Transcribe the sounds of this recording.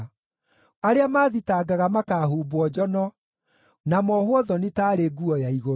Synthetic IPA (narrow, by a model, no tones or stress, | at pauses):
aɾeamaːðitaːɡaɣamakaːɦuːbwɔd͡ʒɔnɔ | namɔhwɔðɔnetaːɾeːɡuɔjaiɣo